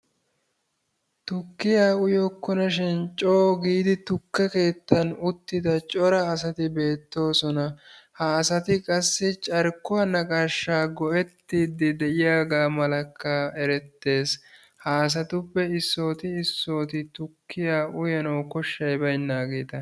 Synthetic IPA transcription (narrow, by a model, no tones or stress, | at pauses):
t̪ʊkːɪjaːʊjɔkːʊnɐʃɛnt͡ʃʼoːɡiːd̪ɪt̪ʊkːɐke̞ːt̪ːɐnʊt̪ːɪd̪ɐt͡ʃʼɔɾɐːs̬ɐt̪ɪbe̞ːt̪ːo̞ːsɔnɐhaːsɐt̪ɪkʼɐsːɪt͡ʃʼɐɾkːʊwɐnɐkʼaʃːaːɡɔʔɛt̪ːiːd̪ɪd̪ɛʔɪjaːɡaːmɐlɐkːɐɛɾɛt̪ːe̞ːs | haːs̬ɐt̪ʊpːɛɪsːo̞ːt̪ɪːsːo̞ːt̪ɪt̪ʊkːɪjaːʔʊjɐnɐwkɔʃːɐjbɐjnːaːɡeːt̪ɐ